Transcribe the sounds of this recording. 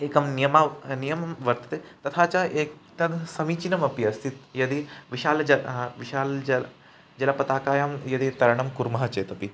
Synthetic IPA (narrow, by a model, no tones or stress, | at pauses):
eːkɐmnijɐmanijɐmɐmʋɐɾt̪ɐ̥t̪eːt̪ɐt̪ʰaːt͡ʃɐeːktɐnsɐmiːt͡ʃinɐmɐpiɐst̪ʰit̪jɐd̪iʋiʃaːlɐd͡ʒɐʋiʃaːld͡ʒɐ | d͡ʒɐlɐpɐt̪aːkaːjaːmjɐd̪it̪ɐɾɐɳɐmkuɾmɐɦɐt͡ʃeːt̪ɐpi